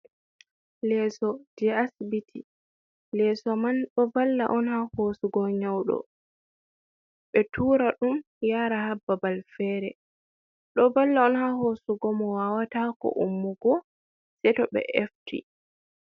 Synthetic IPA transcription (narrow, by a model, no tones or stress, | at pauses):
lɛsɔd̥iasbitʰi | lɛsɔmanɗɔbalːa̰ʔɔnhahosuɡɔɲawɗɔ̰ | ɓɛtʰuːɾaɗum | jaːɾaɦabːabalfɛːɾɛ | ɗɔbalːaɔnhahosuɡɔmɔwawatakɔ̰ʔumːuɡɔ | sɛtɔɓɛ̰ʔɛftḭ